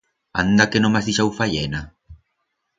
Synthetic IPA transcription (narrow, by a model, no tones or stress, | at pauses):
a̰nd̪akenomazðiʃawfaʎena